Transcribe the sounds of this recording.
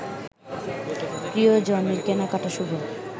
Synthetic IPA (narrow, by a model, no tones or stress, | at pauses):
pɾiod͡ʑoneɾkenakaʈaʃubʱo